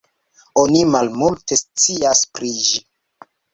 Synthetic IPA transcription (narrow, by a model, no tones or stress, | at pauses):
o̞nimalmulte̞st͡siaspɾid͡ʒi